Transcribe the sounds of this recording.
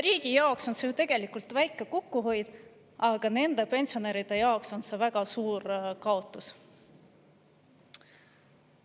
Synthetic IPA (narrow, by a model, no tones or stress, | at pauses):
riːɡ̥ijɑokso̞nset̪e̞ɡ̥e̞likult̪væjkːˑe̞kokːuɦo̞jd̪̥ | ɑɡ̥ɑne̞nd̪e̞pe̞nʲsio̞neɾid̪̥e̞jɑokso̞nse̞væɡ̥ɑsuːrkɑo̞t̪ːˑus